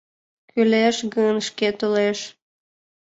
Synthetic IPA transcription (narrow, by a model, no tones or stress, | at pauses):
kʰyleʃɣənʃket̪uleʃ